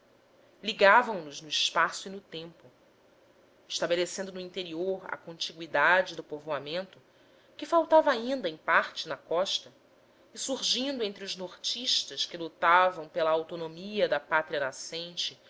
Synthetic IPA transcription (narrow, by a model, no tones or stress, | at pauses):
liɡavɐ̃w̃nʊznʊiʃpasʊinʊt̪ẽmpʊ | ɪʃt̪abelesẽnd̪ʊnʊĩnt̪eɾioɾɐ̰kõnt͡ʃiɡwid̪ad͡ʒɪd̪ʊpovoamẽnt̪ʊ | kɪfawt̪avɐaĩnd̪ɐẽj̃paɾt͡ʃɪnɐkɔʃt̪ɐ | ɪsuɾʒĩnd̪ʊẽnt̪ɾɪʊʒnoɾt͡ʃiʃt̪ɐʃkɪlut̪avɐ̃w̃pelɐawt̪onomiɐd̪ɐpat̪ɾiɐnasẽnt͡ʃɪ